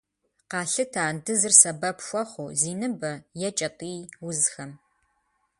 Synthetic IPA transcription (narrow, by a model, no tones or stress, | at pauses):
qɑːɬɨtʰaːndɨzɨrsɐbɐpxʷɔχʷʊziːnɨbɐjɛt͡ʃʼɐtʼiːwʊzxɐm